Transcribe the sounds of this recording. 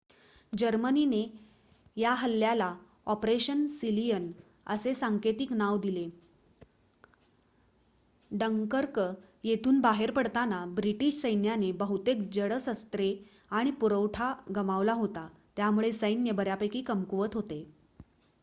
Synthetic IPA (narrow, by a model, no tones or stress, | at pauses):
d͡ʑəɾmənine | jaɦəlːjala | ɔpɾeɕənsilijən | ə̰sesaŋket̪iknaʋd̪ile | ɖəŋkəɾk | jet̪ʰuːnbaɦeɾpəɽt̪anabɾiʈiːɕsəjnjanebəɦut̪ek̚d͡ʑəɽəsəst̪ɾe | aɽ̃ipuɾəʋʈʰaɡəmaʋlaɦot̪at̪jamuɭesəjnjəbəɾjapəjkiːkəmkuʋət̪ɦot̪e